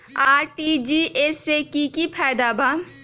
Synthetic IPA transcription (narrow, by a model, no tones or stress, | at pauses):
aːɾʈid͡ʒiʔesekikipʰaːjd̪abʱa